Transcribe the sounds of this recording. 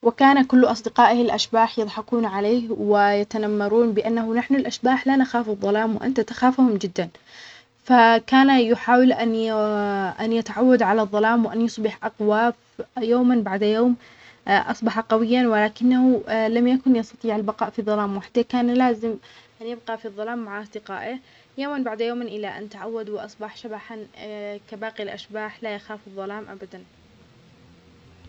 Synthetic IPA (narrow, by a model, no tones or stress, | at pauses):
wɪkaːnakʊlːʔɑsˤd̪ɪqɑːʔhɪlʔaʃbaːħjɨðˤħɑquːnʕaleːhwɪjat̪anamːɑɾˤuːnbɪʔanːahʊnaħnʊlʔaʃbaːħlanaxaːfɨðˤːɑlaːmwɪʔa̰nt̪at̪ḁxaːfhʊmd͡ʒɪd̪ːan | fakaːnajʊħaːwɪlʔan | ʔanjɪt̪aʕawːad̪ʕalaðˤːɑlaːmwɪʔanjʊsˤbɪħʔɑqwaːf | joːmanbaʕd̪joːm | ʔɑsˤbɑħɑqɑwɪjːanwɪlaːkɪnːahulamjakʊnjɑst̪ɑt̪ˤiːʕalbɑqɑːʔfiðˤːɑlaːmwɪħḁt̪ːakaːnlaːzɪm | ʔanjɪb̚qɑfiðˤːɑlaːmːaʕʔɑsˤd̪ɪqɑ̰ːʔɪ | joːmanbaʕd̪joːmnʔɪlːaʔa̰nt̪aʕawːad̪wɪʔɑsˤbɑħʃabaħankabaːqilʔaʃbaːħlajaxaːfɨðˤːɑlaːmʔabad̪an